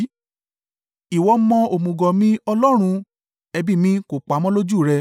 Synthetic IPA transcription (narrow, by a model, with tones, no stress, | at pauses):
i˨wɔ˧˦mɔ̃˧o˨mũ˨ɡɔ˨mĩ˦ɔ˧lɔ˦ɾ̃ũ˧ | ɛ˧bi˦˨mĩ˧˦ko˨k͡pa˨˦mɔ̃˦lo˦d͡ʒu˦˨ɾɛ˧